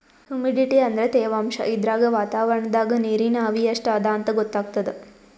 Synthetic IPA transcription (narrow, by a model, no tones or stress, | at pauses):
hjumiɖiʈiɐnd̪ɐɾet̪eːʋaːmʃɐ̰ʔid̪ɾaːɡɐʋaːt̪aːʋɐɾɐɳɐd̪aːɡɐniːɾinaːʋijɐʂʈaːd̪aːnt̪ɐɡɔt̪ːaːɡ̚t̪ɐd̪e